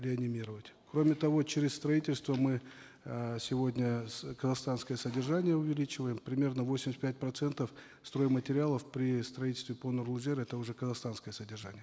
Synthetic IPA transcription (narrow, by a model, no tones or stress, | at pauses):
lʲɪɐnʲɪmʲiɾəvətʲkɾomʲɪt̪ɐvo̞t͡ɕɪɾʲɪsst̪ɾɐitʲɪlʲst̪vəmɨ | sʲɪvo̞dʲnʲəkəzɐxst̪anskəjəsədʲɪrʐanʲɪjəʊvʲɪlʲit͡ɕɪvəjɪmpɾʲɪmʲe̞rnəvosʲɪmʲɪsʲt̪ʲpʲæt̚ʲpɾɐt̪sɛnt̪əf | st̪ɾo̞jɪmːətʲɪɾʲɪalˠəfpɾʲɪst̪ɾɐit̪̬ʲɪlʲst̪vʲɪponorlˠʊzʲeɾɛt̪əʊʐɛkəzɐxst̪anskəjəsədʲɪrʐanʲɪjə